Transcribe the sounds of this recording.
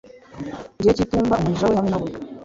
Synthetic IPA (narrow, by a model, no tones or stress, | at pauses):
ndiecituːmbamuiʒawehamenawe